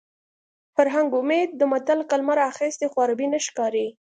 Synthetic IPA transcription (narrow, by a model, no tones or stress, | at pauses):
faɾɦaŋɡʊmed̪̚ːəmat̪alkalmaɾaxest̪exwɑɾabinaʃkɑɾe